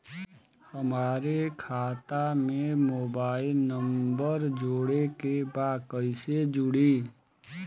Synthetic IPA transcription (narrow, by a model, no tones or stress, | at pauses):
həmaːɾekʰaːt̪amẽmoːbaːɪlnəmbəɾd͡ʒoːɽekebaːkəɪsed͡ʒʊɽi